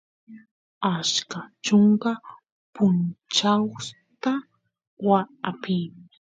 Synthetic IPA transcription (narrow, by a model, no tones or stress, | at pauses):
askat͡ʃoŋka | pʊnt͡ʃaw | t̪a | waapɪːmɪ